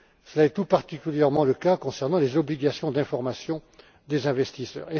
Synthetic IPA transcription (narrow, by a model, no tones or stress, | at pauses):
səlaɛt̪upaʁt̪ikʲyljɛʁmɑ̃ləkakɔ̃sɛʁnɑ̃lezɔbliɡasjɔ̃d̪ɛ̃fɔʁmasjɔ̃ | d̪ezɛ̃vɛst̪isœ̰ːʁe